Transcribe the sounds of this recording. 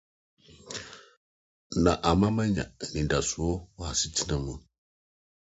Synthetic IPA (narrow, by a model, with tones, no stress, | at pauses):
na˨ʔa˨ma˦ma˦ɲã̰˨nĩ˨nda˨su˨o˦wa˨si˦ti˦nə˨mu˨